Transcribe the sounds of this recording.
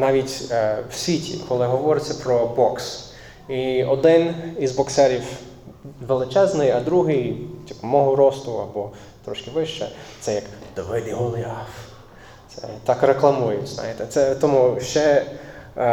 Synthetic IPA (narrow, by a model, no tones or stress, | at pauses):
nɑʋʲitʲwsʲʋʲitʲḭkʰɔlˠɪɦɔʋɔɾɪt͡sʲːɐpɾɔbɔks | iɔd̪ɪnizbɔksɛɾʲiw | ʋelˠɪt͡ʃɛznɪjɐd̪ɾuɦɪjtʲipɐmɔɦʊɾɔst̪ʊɐ̰bɔ | t̪ɾɔʃkɪʋɪʃt͡ʃɛ̰t̪sɛjɐkd̪̥ɔʋɪd̪ʲiɦɔlˠɑf | t̪sɛ̰t̪ɑkreklˠɐmujʊznɑ̰jɪt̪ɛt̪sɛt̪ɔmuʃt͡ʃɛ